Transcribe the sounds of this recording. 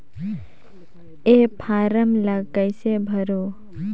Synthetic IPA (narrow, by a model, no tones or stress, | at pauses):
epʰaɾəmləɡəɪsebʱəɾo